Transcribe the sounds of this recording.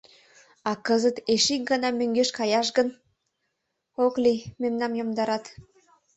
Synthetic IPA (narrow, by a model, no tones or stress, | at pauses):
ɑkəzət̪eʃik̚ɡɑnɑmøŋɡeʃkɑjɑʃ̬ɡən | oklimemnɑmjomd̪ɑɾɑt̪